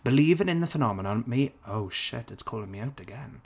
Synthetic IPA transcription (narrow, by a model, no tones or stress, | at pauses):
b̥ɪliːvɪ̃ŋɪ̃nðəfənɑmənə̃nmioʊʃɪ̰tɪtskʰɔːlˠɪ̃ŋmiaʊtəɡɛ̃n